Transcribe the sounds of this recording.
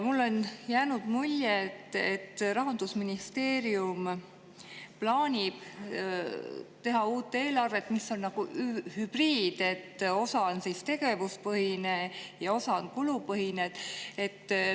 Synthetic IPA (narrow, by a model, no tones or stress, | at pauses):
mulːo̞njæːnud̪̥mulʲjet̪ːet̪ːrɑɦɑnd̪usminist̪e̞ːɾium | plɑːnʲib̥ | t̪e̞ɦɑuːt̪ːˑe̞ːlɑrve̞t̪ːˑmisːo̞nnɑɡ̥uhyb̥riːd̪̥e̞t̪ːo̞sɑnsist̪e̞ɡ̥e̞vuspɤɦinejɑo̞sɑnkulupɤɦined̪e̞t̪ː